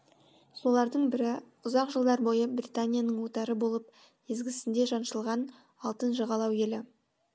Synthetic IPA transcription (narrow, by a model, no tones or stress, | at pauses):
so̞lˠɑɾd̪əɴbɪɾɪ | ʊzɑqʒəlˠd̪ɑɾbo̞jəbrit̪anʲijanəɴwot̪ɑɾəbo̞lˠəp̚ | ezɡʲɪsɪnd̪eʒɑnʃəlˠʁɑn | ɑlˠt̪ənʒəʁɑlˠɑwe̞lɪ